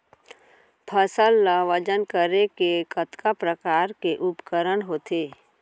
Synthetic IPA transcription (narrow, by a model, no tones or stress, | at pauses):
pʰəsəlːaʋəd͡ʒənkəɾekekət̪kapɾəkaːɾkeʔʊpkəɾəɳɦoːt̪eː